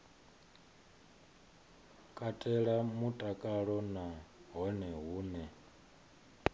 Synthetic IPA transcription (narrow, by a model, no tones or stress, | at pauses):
kʼatʼɛɺamutʼakʼaɺɔnaɦɔnɛɦuːnɛ